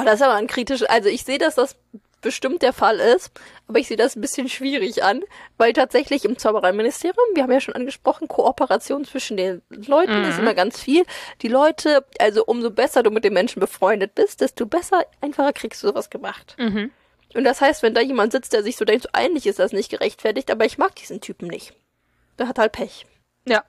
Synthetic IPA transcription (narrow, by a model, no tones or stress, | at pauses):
adasɪsʔaːbɐnkʁ̥iːtɪʃʔalzoɪçz̥eːədasd̥as | b̥əʃtɪmt̚d̥eːɐfalɪstʔʔaːbɐɪçz̥eːədasn̩bɪsçənʃv̥iːʁɪçʔanvaɪltʰaːtz̥ɛçlɪçɪmt͡saʊbəʁaɪnmɪnɪstʰeːʁijʊmviːɐhabmjaːʃoːnʔanɡəʃpʁ̥ɔχn̩kʰoʔɔpəʁat͡sjoːnt͡sv̥ɪʃn̩deːnlɔʏtn̩ɪstʔɪmɐɡant͡sfiːld̥iːlɔʏtʰəʔalzoʔʊmzobɛsɐduːmɪt̚d̥eːnmɛnʃn̩bəfʁ̥ɔʏndət̚b̥ɪst̚d̥ɛstobɛsɐʔaɪnfaχɐkʁ̥iːksd̥uːzoːvasɡ̥əmaχt | ʔʊnt̚d̥ashaɪstv̥ɛndaːjeːmantzɪt͡std̥eːɐzɪçz̥oːdɛŋktz̥oːʔa̰ɪnlɪçɪstd̥asnɪçtɡ̥əʁɛçtfɛɐtɪçtʔaːbɐɪçmaːk̚d̥iːzn̩tʰyːpm̩nɪ̰çt | d̥aːhathalt̚pʰɛç